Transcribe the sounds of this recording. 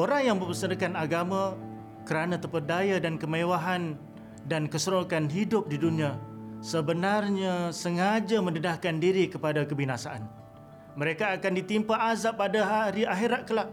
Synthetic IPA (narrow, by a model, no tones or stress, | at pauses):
oɾaŋjaŋməpəsənəkanaɡamã | kəɾanãt̪əpərdajadankəmewaɦan | dankəsəɾokanɦidʊp̚diduniasəbənarɲasəŋad͡ʒamə̃nədahkandiɾikəpadakəbinasaʔan | məɾekaːkandit̪impaʔazap̚adaɦaɾiaɦiɾaʔ̚kəla